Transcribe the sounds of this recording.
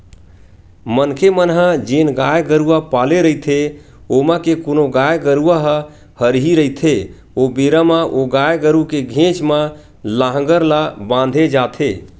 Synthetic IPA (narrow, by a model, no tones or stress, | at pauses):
mənkʰemənɦəd͡ʒenɡajɡəɾuapaleɾəit̪ʰe | oməkekonoɡajɡəɾuaɦə | həɾɦiɾəit̪ʰe | obeɾamaʔoɡajɡəɾukeɡʱẽt͡ʃmə | laɦə̃ɡəɾlabãnd̪ʱed͡ʒat̪ʰe